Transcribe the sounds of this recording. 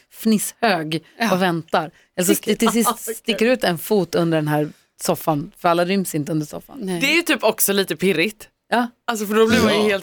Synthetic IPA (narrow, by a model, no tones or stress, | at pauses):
fnɪshøːɡɔvɛnt̪aɾ | ɛləsɔst̪ɪsɪst̪st̪ɪkːəɾʉ̟ːt̪ɛnfuːt̪ɵnd̪əɖɛnɦæːɾ | sɔfːanfœɾalːaɾʏmsɪnt̪əɵnd̪əʂɔ̰fːa̰nɛjʉt̪ʰyːpɔksɔliːt̪əpʰɪɾɪt̪ | jɑːals̬ɔfəɖɔblɪɾmajheːlt̪